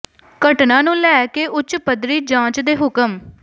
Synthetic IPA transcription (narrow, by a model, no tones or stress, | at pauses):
kəʈnãːnũːlɛːkeːʔʊt͡ʃpəd̪ɾiːd͡ʒãːt͡ʃd̪eːɦʊkəm